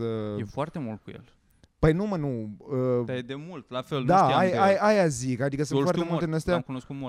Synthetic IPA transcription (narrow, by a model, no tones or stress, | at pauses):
əjefoart̪emult̪̚kujḛl | pəjnumənuəed̪emult̪lafelnd̪aajajajazikad̪ikəsunfaɾemultt̪einəst̪ejamkunoskut̪mu